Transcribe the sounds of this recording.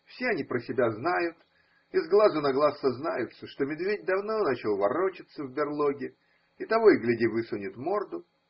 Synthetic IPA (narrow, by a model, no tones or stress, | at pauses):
fsʲeɐnʲipɾəsʲɪbʲaznajʊt̪ | ɪzɡlˠazʊnɐɡlˠasːəznajʊt̪səʂt̪o̞mʲɪd̪vʲed̚ʲd̪ɐvno̞nat͡ɕɪlˠvɐɾo̞t͡ɕɪt̪səvbʲɪrlˠoɡʲɪ | ɪt̪ɐvoɡlʲɪdʲivɨsonʲɪt̪mo̞rd̪ʊ